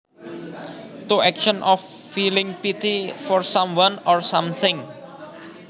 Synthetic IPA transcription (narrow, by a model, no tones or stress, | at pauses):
t̪uɛkʃɔnʔɔfː | ilɪ̃ŋpit̪ifɔrsãmwãnɔrsãmt̪ʰɪ̃ŋ